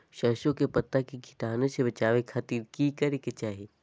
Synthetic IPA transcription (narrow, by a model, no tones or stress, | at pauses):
ʃɐːʃõkepɐt̪ːakiɡʱɪʈaːnesebɐt͡ʃaːʋekʰat̪iːɾkikɐɾeket͡ʃaːɦi